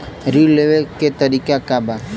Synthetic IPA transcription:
ɾileʋeket̪əɾiːkakaba

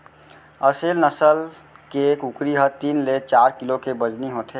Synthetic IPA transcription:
əselnəsəl | kekukɾiɦət̪iːnleːt͡ʃaːɾkɪlokebəd͡ʒniɦoːt̪ʰe

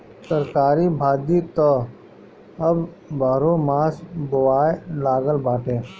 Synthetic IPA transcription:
səɾkaːɾibʱaːd̪it̪ɔ | əb | baːɾõːmaːsbʊʋaːelaːɡəlbaːʈẽː

